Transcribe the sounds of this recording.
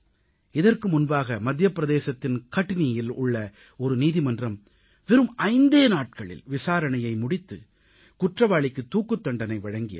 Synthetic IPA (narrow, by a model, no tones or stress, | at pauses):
ɪðɐrkɯmʊnbaːɣɐmɐd̪jɐpːɾɐðeːsɐt̪ːɪnkɐʈːɪnɪjɪlʊ̰ɭːɐ | ɔɾɯniːðɪmɐndrɐm | ʋɪɾɯmʔɐɪnd̪eːnaːʈ̚kɐɭɪ̰lʋɪsaːɾɐnɐjɐɪmʊɽɪt̪ːɯ̰ | kʊʈrɐʋaːɭɪkːɯt̪ːuːkːɯt̪ːɐɳɖɐnɐɪʋɐɻɐŋɡɪjɐ̰